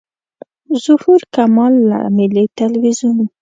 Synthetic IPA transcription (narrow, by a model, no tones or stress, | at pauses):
zʊhuɾkamɑlːa̰mɪlit̪alwizun